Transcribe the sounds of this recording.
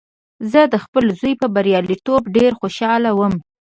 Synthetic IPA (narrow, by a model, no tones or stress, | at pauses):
zəd̪əxpəlzujpəbaɾjɑlit̪obɖeɾxoʃɑlawəm